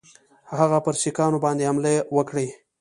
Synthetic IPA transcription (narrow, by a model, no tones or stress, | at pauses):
haɣapəɾʃikɑnobɑnd̪ehamlewəkɽe